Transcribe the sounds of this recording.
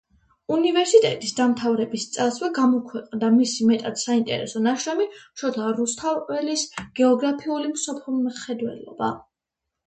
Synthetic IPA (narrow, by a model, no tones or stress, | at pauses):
univɛɾsit̪ʼɛt̪ʼisd̪amt̪ʰavɾɛbist̪sʼaswɛɡamɔkʰwɛqʼnd̪amisimɛt̪ʼat̪saint̪ʼɛ̰ɾɛ̰sɔnaʃɾamiʃɔt̪ʰaɾust̪ʰaɛlisɡ̥ɛɔɡɾapʰiulimsɔpʰlilmχɛd̪wɛ̰lɔ̰ba